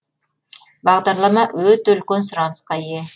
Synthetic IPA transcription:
bɑʁd̪ɑɾlˠɑmɑʔøt̪ølkʲønsʊɾɑnsqɑije

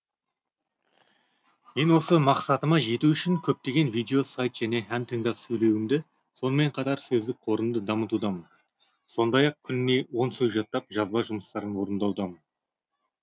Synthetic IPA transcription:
me̞nwo̞səmɑqsɑt̪əmɑʒe̞t̪uʏʃɪŋkʲʰɵp̚t̪e̞ɡʲe̞nvijd̪ʲe̞o̞sajt̪ʒ̥æne̞ɦænt̪ʰəŋd̪ɑsɵjle̞wɪmd̪ɪ | so̞nəme̞ɴqʰɑt̪ɑɾsɵzd̪ɪk̚qʰo̞ɾəmd̪əd̪ɑmət̪ud̪ɑmən | so̞nd̪ɑjɑq̚kʲʰʏnɪne̞wo̞nsɵjʒɑt̪ːɑp̚ʒɑzbɑwʒʊməst̪ɑɾənwo̞ɾənd̪ɑwd̪ɑmən

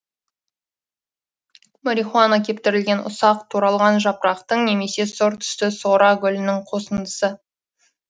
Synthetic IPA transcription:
moɾʲiχuanakʲʰe̞p̚t̪ɪɾɪlɡʲe̞nʔʊ̰sɑqt̪ʰuɾɑlˠʁɑnʒɑpɾɑqt̪əɴne̞me̞se̞soɾt̪ʰʏ̥st̪ɪso̞ɾɑɡʲʏlɪnɪŋqʰo̞sənd̪əsə

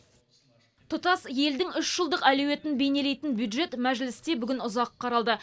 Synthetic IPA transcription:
t̪ʰʊt̪ɑsje̞ld̪ɪŋʏʃʒ̥əlˠd̪əqælɵwe̞t̪ɪnbene̞le̞jt̪ɪnbjud̪ʒe̞t̪mæʒlɪst̪e̞bʏɡʲɪnʊzɑqʰːɑɾɑlˠd̪ə

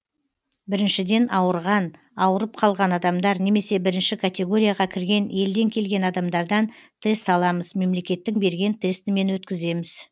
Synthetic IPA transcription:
bɪɾɪnʃɪd̪e̞nʔɑwəɾʁɑn | ɑwəɾəp̚qʰɑlˠʁɑnɑd̪ɑmd̪ɑɾne̞me̞se̞bɪɾɪnʃɪkʰat̪ʲe̞ɡo̞ɾʲijaʁɑkʲʰɪɾɡʲe̞nje̞ld̪e̞ŋkʲʰe̞lɡʲe̞nɑd̪ɑmd̪ɑɾd̪ɑnt̪ʰe̞st̪ɑlˠɑməzme̞mle̞kʲe̞t̪ːɪŋbe̞ɾɡʲe̞nt̪ʰe̞st̪ɪme̞nwɵt̪kʲɪze̞mɪz

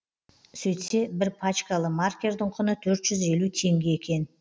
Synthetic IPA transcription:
sɵjt̪se̞bɪɾpʰat͡ʃkalˠəmarkʲe̞ɾd̪ɪɴqʰʊnət̪ʰɵɾt̪ʒ̥ʏze̞lut̪ʰe̞ŋɡʲe̞ekʲe̞n

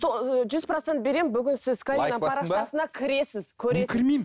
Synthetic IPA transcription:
ʒʏzprot̪sent̪̚be̞ɾe̞mbʏɡʲɪnsɪzkʰaɾʲinəɑɾɑɑsənɑkʲʰɪɾe̞sɪz̥kʲʰɵɾekʲʰɪɾmim

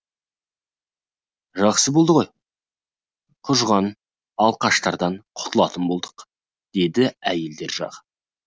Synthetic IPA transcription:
ʒɑχsəbo̞lˠd̪əʁoj | qʰʊʒʁɑn | ɑlˠqʰɑʃt̪ɑɾd̪ɑɴqʰʊ̥t̪ʰəlˠɑt̪ənbo̞lˠd̪əq | d̪̥e̞d̪ɪæje̞ld̪e̞ɾʒɑ̰ʁ

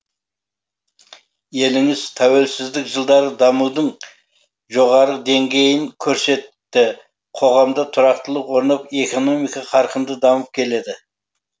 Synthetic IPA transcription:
je̞lɪŋɪz̥t̪ʰæwe̞lsɪzd̪ɪkʒəlˠd̪ɑɾəd̪ɑmud̪əɴ | ʒo̞ʁɑɾəd̪e̞ŋɡʲe̞jɪŋkʲʰɵɾse̞t̪ːɪ | qʰo̞ʁɑmd̪ət̪ʰʊɾɑq̚t̪əlˠəwo̞ɾnɑpe̞ko̞no̞mijkɑqʰɑɾqənd̪əd̪ɑməp̚kʲʰe̞le̞d̪ɪ

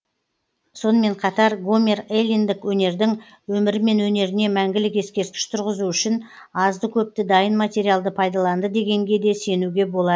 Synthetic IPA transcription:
so̞nəme̞ɴqʰɑt̪ɑɾɡome̞relʲind̪ɪkwɵne̞ɾd̪ɪŋ | wɵmɪɾɪme̞nwɵne̞ɾɪne̞mæŋɡʲɪlɪke̞skʲe̞ɾkʲɪ̥ʃt̪ʰʊɾʁəzuʏʃɪn | ɑzd̪əkʲʰɵp̚t̪ɪd̪ɑjənmat̪ʲe̞ɾijalˠd̪əpʰɑjd̪ɑlˠɑnd̪əd̪e̞ɡʲe̞ŋɡʲe̞d̪e̞se̞nuɡʲe̞bo̞lˠɑd̪ə

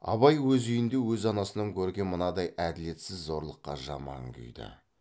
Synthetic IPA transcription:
ɑ̰βɑjwɵzʏjɪnd̪e̞wɵzɑnɑsənɑŋkʲʰɵɾɡʲe̞nmənɑd̪ɑjʔæd̪ɪle̞t̪sɪzːo̞ɾlˠəqːɑ̰ʒɑ̰mɑ̰ŋkʲʰʏ̰jd̪ɪ̰

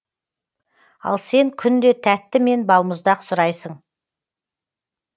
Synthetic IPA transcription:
ɑ̰lˠse̞ŋkʲʰʏnd̪e̞t̪ʰæt̪ːɪme̞nbɑlˠməzd̪ɑqsʊɾɑjsəɴ

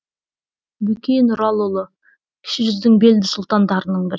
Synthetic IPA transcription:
bɵkʲenʊɾɑlˠolˠə | kʲʰɪ̥ʃɪʒʏzd̪ɪŋbe̞ld̪ɪsʊlˠt̪ɑnd̪ɑɾənəɴbɪɾ

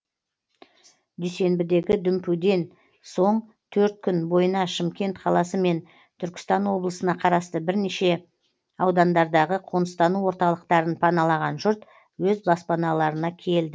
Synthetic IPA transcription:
d̪ijse̞mbɪd̪e̞ɡʲɪd̪ʏmpud̪e̞n | so̞ɴ | t̪ʰɵɾt̪̚kʲʰʏnbo̞jənɑʃɪmkʲe̞nt̪qʰɑlˠɑsəme̞n | t̪ʰʏɾkʲɪ̥st̪ɑnwo̞blˠəsənɑqʰɑɾɑst̪əbɪɾneʃe̞ | ɑwd̪ɑnd̪ɑɾd̪ɑʁəqʰo̞nəst̪ɑnuwo̞ɾt̪ɑlˠəqt̪ɑɾənpʰɑnɑlˠɑʁɑnʒʊɾt̪ | wɵzbɑspɑnɑlˠɑɾənɑkʲʰe̞ld̪ɪ

